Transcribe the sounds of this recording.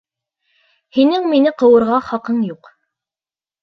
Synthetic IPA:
hinɘŋminɘqɤ̆wɤ̆ɾʁɑχɑqɤɴjuq

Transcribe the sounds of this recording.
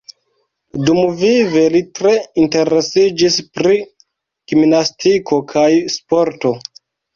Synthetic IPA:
dumvive̞litɾe̞inte̞ɾe̞sid͡ʒispɾi | ɡ̥imnastikʰo̞kʰajspo̞ɾto̞

